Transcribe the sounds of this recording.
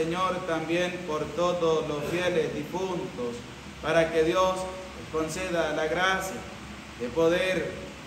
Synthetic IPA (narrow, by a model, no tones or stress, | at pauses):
eɲoɾt̪ambje̞mpoɾt̪oðoslosfjelezðifunt̪os | paɾakeðjos | ekonseðalaɣɾasja | ðepoðeɾ